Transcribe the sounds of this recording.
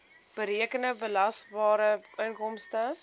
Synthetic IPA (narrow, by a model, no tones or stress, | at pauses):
b̥əɾiəkənəbəlɐsbɑːɾəənkɔmstə